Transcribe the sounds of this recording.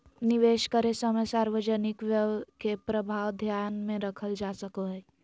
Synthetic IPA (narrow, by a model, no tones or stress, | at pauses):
niʋeːʃkəɾesəməsaːɾʋəd͡ʒənɪkʋjəʋkepɾəbʱaːwd̪ʱjaːnmẽɾəkʰəld͡ʒaːsəkoɦɛ